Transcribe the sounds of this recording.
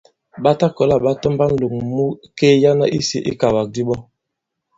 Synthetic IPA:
ɓa˦ta˦kɔ˨la˦ɓa˦tɔ˦mba˦n˦lo˨ŋmu˦keː˦ja˦na˦ʔi˦sḭ˦ʔḭ˦ka˨wa˨k̚di˦ɓɔ˦

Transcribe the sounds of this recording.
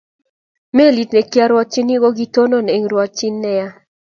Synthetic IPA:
me˦˨li˨tne˨kja˦ɾwɔ˦t͡ʃːi˦ni˦ɡo˦ɡi˦to˦no˦˨ne˨ŋɾwɔ˨t͡ʃi˦nːɛ˦ja˦

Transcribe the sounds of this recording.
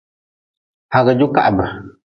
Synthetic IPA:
ha˨ɣə˨d͡ʒu˦ka̰˨ʔbə˨

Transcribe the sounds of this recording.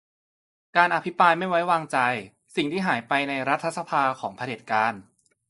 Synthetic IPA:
kaː˧nʔa˧pʰi˦˥pɾaː˧jma˥˩jwa˦˥jwaː˧ŋt͡ɕa˧j | si˨˩ŋt̪ʰiː˥˩ɦaː˩˦jpa˧jna˧jɾa˦˥t̪ʰːa˧˩sa˧pʰaː˧kʰɔː˩˦ŋpʰa˧deː˨˩t̪̚kaː˧n

